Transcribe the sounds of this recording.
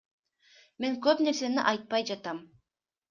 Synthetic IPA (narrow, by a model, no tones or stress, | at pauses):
me̞ŋkøpne̞ɾse̞niʔɑjt̪̚pɑjd͡ʒɑt̪ɑm